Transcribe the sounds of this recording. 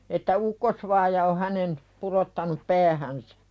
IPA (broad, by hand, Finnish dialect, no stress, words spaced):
etːæ ukːosʋɑːjɑ o hænen purotːɑnup pæːhænsæ̥